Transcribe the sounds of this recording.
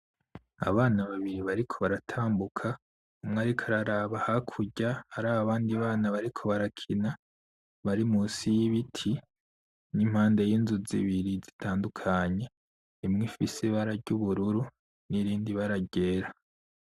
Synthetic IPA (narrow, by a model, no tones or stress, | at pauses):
a̰βaːnaβaβiɾiβaɾikʰo̞βaɾatʰaːmbukʰa | umŋaːɾikʰaɾaɾaβahakʰuɟahaɾaːβaβaːndiβaːnaβaɾikʰo̞βaɾakʰina | βaɾimusijiβitʰi | nim̥haːnde̞jiːnzuziβiɾizitʰaːndukʰaɲe̞ | imŋifisiβaɾaɾɟuβuɾuɾu | niɾiːndiβaɾaɟe̞ːɾa